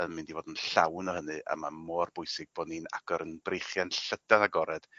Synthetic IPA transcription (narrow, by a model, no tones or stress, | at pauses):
ənmɨndivoːdənɬawnɔhənɨʔa̰mamɔːrbʊjsɪɡ̚b̥ɔnina̰ɡ̥ɔɾənbrejχjanɬədanaɡɔɾɛd̥